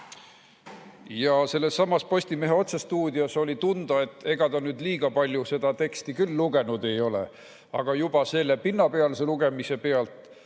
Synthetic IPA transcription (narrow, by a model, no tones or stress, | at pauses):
jɑse̞lːe̞sːɑmːɑspo̞sʲt̪ime̞ɦeo̞t̪sest̪uːd̪ʲiɑso̞lʲit̪und̪̥ɑe̞t̪ːˑe̞ɡ̥ɑt̪ɑnyːd̪liːɡ̥ɑpɑlʲjuse̞d̪ɑt̪e̞kst̪ikylːuɡ̥e̞nud̪e̞jo̞lḛ | ɑɡ̥ɑjub̥ɑse̞lːepinːɑpeɑlseluɡ̥e̞mise̞pe̞ɑlt̪ˑ